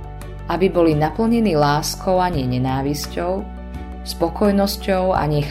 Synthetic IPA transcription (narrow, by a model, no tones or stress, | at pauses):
abibɔlinapl̩ɲɛniːlaːskʰɔʊaɲɛɲɛnaːʋiscɔʊ | spɔkɔjnɔscɔʊa̰ɲɛx